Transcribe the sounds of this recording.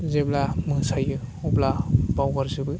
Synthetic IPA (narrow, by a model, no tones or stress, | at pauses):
zeblamɯsajɯɔblabawɡaɾzɯbɯ